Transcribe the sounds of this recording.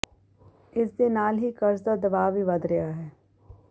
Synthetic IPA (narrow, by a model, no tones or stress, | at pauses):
ɪsd̪enaːlɦikɐɾsd̪ad̪ɐbaːbʱiʋɐd̪ɾɐjaɦɛː